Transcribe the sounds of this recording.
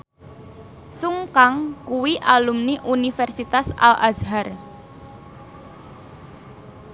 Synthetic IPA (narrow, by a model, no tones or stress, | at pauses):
suŋkaŋkuwiʔalumniʔunifɛrsit̪asa̰la̰zɦar